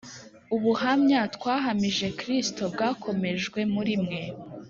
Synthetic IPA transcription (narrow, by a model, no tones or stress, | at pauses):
uβuhamɲatkwaːɦamiʒe̞kɾisto̞bɡaːkʰo̞me̞ʒɡwe̞muɾimŋe̞